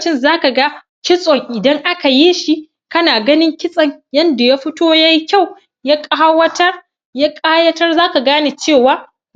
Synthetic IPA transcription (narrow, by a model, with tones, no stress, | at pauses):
t͡ʃɪ˦nzaː˦ka˨ɡa˦ | kʲɪ˦sʼɔ˨ŋʔɪ˨dɐ˦ŋʔa˦ka˨jeː˦ʃi˦ | kɐ˦naː˨ɡɐ˦nɪ˦ŋkʲɪ˦sʼɐ˨ɲjɐ˦nda˨ja˦ɸɪ˦toː˦ja˦ji˦kʲa˦˨w | ja˦kʼaː˦wɐ˦tɐ˦r | ja˦kʼaː˦jɐ˦tɐ˦rzaː˦ka˨ɡaː˦ne˨t͡ʃeː˦˨waː˨˦